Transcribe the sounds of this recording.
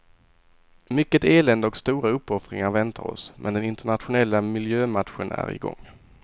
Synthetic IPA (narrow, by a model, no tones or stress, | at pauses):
mʏkːət̪eːlɛnd̪ɔkst̪uːɾaɵpːɔfɾɪ̰ŋaɾvɛnt̪ʰa̰ɾɔ̰smʔɛnd̪ɛnɪnt̪əɳat̪ɧʊnɛlːamɪljøːmat̪ɧənæ̰ɾɪ̰ɡɔ̰ŋː